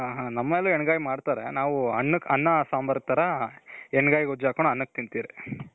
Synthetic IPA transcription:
ɦaɦaːnɐmːɐɛlːuɛɳɡaːjimaːɽt̪aːɾḛnaːʋuɐnːɐkʰɐnːɐsaːmbɐɾk̚t̪ɐɾɐɛɳɡaːjiɡod͡ʒaːkoɳɐnːɐk̚t̪int̪iːɾi

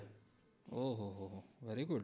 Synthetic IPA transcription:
oːɦoɦoɦoʋɛɾiɡʊɖ

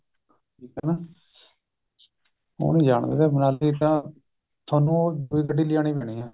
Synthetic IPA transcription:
ʈʰiːkɛnaː | o̰ːnĩːd͡ʒaːɳd̪ḛːd̪eːbənaːliːt̪ãː | t̪ʰaːnũːd̪uːiːkəʈːiːlɪjaːñiːpɛːɳiːɛ̃ː

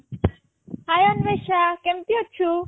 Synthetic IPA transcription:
ɦajɔnbeʃakemt̪iɦotːt͡ɕʰu

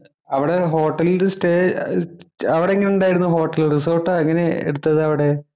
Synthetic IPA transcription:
ɐʋiɽe̞ɦo̞ːʈːɐliɾesʈeː | ɐʋiɽeŋːɐneuɳɖaːjiɾunːuɦo̞ːʈːɐlrisoːʈːaːeŋːɐne̞ḛɽut̪ːɐðɨɐʋiɽe̞

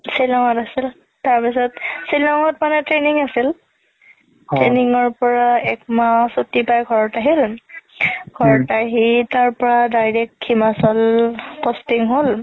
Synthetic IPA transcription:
silɔŋɔtasil | taɹpisɔtsilɔŋɔtmanɛtɹeniŋasil | tɹeniŋɔɹpɔɹaɛkmasotipajɡʱɔɹɔtaɦil | ɡʱɔɹɔtaɦitaɹpɔɹadajɹɛk̚tkʰːimasɔlpɔstiŋɦol

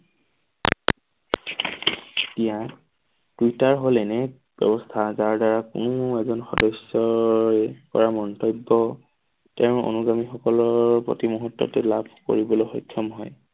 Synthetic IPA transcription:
etija | twitaɹɦolɛnɛ | b̥ɛ̰bɔstʰazaɹdaɹakunũɛzɔnxɔdɔsɔɛkɔɹamɔntɔbːɔ | tɛ̃o̰nuɡamixɔkɔlɔɹpɹo̰timuɦɔtːɔ̰tɛlabʱko̰ɹibɔlojxɔjkʰːɔmɦɔj

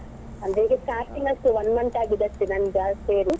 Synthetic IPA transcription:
ɐnd̪eːɡeskaːɾʈːiŋɡɐsʈ̪uʋɐnmɐɳʈaːɡid̪ɐsʈinɐnd͡ʒaːseːɾu

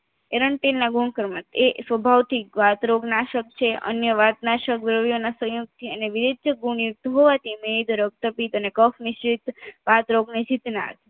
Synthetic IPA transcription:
eɾəɳʈelnaɡuɳkəɾmət̪esʋəbʱaʋt̪ʰiʋat̪ɾoɡnaʃək̚t͡ʃʰeʔə̰njəʋat̪naʃəkʋɾəʋjonasə̃juɡ̚t̪ʰiəneʋiɾid̪əɡuɳjuk̚t̪ɦoʋat̪ʰimed̪ʱɾəɡ̚t̪əpit̪ənekəfmiʃɾit̪ʋat̪ɾoɡned͡ʒit̪na̰t̪

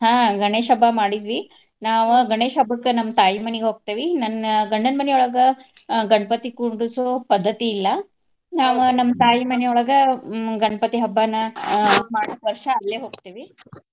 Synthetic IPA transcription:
ɦãːɡɐɳeːʃɐbʱɐmaːɽid̪ʋi | naːʋuɡɐɳeːʃɐbʱɐkːenɐmːɐt̪aːjimɐneɡeɦoːɡ̚t̪eːʋinɐnɡɐɳːɐnɐmɐneɔɭɐɡɐɡɐɳɐpɐt̪ikuɳɖusoːpɐd̪ʱːɐt̪iːlːɐ | naːʋunɐmːɐt̪aːjimɐnejɔɭɐɡɐɡɐɳɐpɐt̪iɦɐbːanːɐmaːɽotʋɐɾʂɐːlːeːɦoːɡ̚t̪eːʋi

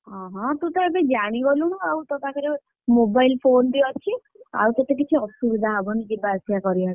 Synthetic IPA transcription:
ɦɔ̃ɦɔ̃t̪ũt̪ɔebed͡ʒaɽ̃iɡɔluɽ̃uawt̪ɔt̪ʰakʰaɾe | mobajlpʰond̪iɔt͡ʃʰi | a̰wt̪et̪ek̬it͡ʃʰiɔsubid̪ʱaɦɔbɔnid͡ʒibasijakɔɾia

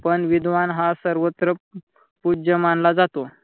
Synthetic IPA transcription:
pəɳʋid̪ʋanɦasəɾʋət̪ɾə | pud͡ʑəmanlad͡zat̪o

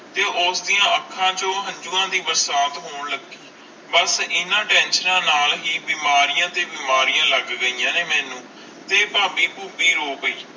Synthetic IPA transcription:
t̪eːʔʊsd̪ɪjãːəkʰːãːd͡ʒõːɦə̃ɲd͡ʒuːãːd̪iːbəɾsaːt̪ɦoːɳləɡiː | bəsɪnãːʈɛ̃ːnʃəɾãːnaːlɦiːbiːmaːɾijãːt̪eːbiːmaːɾijãːləɡɡəiːjãːneːmɛːnũː | t̪eːpaːbiːpuːbiːɾoːpəiː

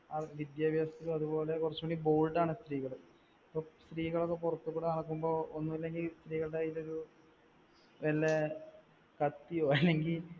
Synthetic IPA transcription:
aʋid̪jaːbjast̪ilɐðubo̞ːle̞kurɐt͡ɕːueɳːiboːlɖaːɳɨst̪riːɣɐɭɨ | ɐpːoːst̪riːɣɐɭokːe̞purɐt̪ːukːuːɽenɐɽɐkːumbo̞ːonːumɐlːe̞ŋɡilst̪riːɣɐɭɖeiloɾu | ʋelːe | kɐt̪ːijo̞ːɐlːe̞ŋɡil

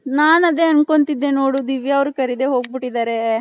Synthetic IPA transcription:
naːnɐd̪e̞ɐnko̞nt̪id̪ːenoːɽud̪iʋiɐʋɾukɐɾid̪eɦo̞ːɡ̚biʈːid̪aːɾe̞

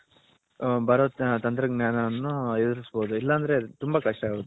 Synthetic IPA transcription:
bɐɾoːt̪ɐnt̪ɾɐɡnjaːnɐnːued̪uɾisbo̞ːd̪uilːɐːnd̪ɐɾe̞t̪umbɐkɐʂʈɐaːɡoːd̪u

